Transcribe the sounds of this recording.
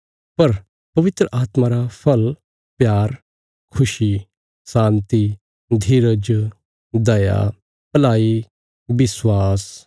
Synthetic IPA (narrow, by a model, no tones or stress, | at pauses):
pɐɾ | pɐʋɪt̪ɾəʔaːt̪maɾapʰɐl | pjaːɾ | kʰʊʃi | sãːnt̪i | d̪ʱiɾəd͡ʒ | d̪ɐja̰ | pɐlaːi | bɪswaːs